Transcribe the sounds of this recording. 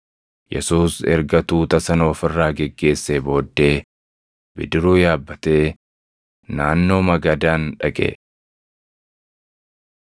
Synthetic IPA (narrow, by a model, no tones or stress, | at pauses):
jɛ̰suːsɛ̰ɾɡɐt̪uːt̪ɐsɐnɐɔfɪrːaːɡɛɡːe̞ːsːebo̞ːd̪ːe̞ː | bɪd̪ɪɾuːjaːbːɐt̪e̞ː | naːnːo̞ːmɐɡɐd̪aːnᶑɐkʼḛ